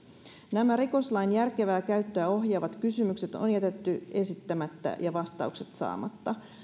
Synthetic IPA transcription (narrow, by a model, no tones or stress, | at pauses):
næmæɾiko̞slɑjnjærke̞ʋæːkæyt̪ːøːo̞ɦjɑːʋɑt̪kysymykse̞t̪o̰njæt̪e̞t̪ːye̞sit̪ːæmæt̪ːæ̰jɑʋɑst̪ɑ̰ukse̞̥t̪sɑ̰ːmɑt̪ːɑ